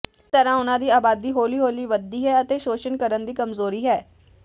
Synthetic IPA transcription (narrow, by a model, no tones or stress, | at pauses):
t̪əɾãːʊnãːd̪iːaːbaːd̪iːɦoːliːɦoːliːʋəd̪iːɦɛːət̪eːʃoːʃənkəɾənd̪iːkəmzoːɾiːɦɛː